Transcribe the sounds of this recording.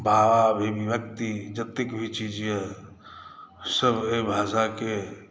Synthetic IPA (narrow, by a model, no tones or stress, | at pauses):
bʱawabʱebʱibjəkt̪id͡ʒət̪ekbʱit͡ʃid͡ʒijɛ | səbebʱasake